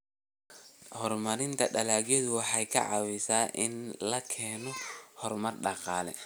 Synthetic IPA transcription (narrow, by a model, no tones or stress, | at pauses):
hɔrmɐɾɪnt̪ʰɐɖɐlaːɡjɔðʊwɑħɑjkʰɐ̰ʕɑ̰wɪsaːʔɪnlɐkʰɛːnɔhɔrmɐrɖɑqɑːlɛ̰